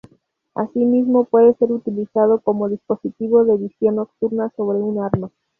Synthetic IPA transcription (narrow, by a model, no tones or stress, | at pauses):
a̰simizmo̞pwe̞ðe̞se̞ɾut̪ilisað̞o̞ko̞mo̞ðispo̞sit̪iβo̞ðeβisjo̞nːokt̪uɾnaso̞βɾe̞unaɾma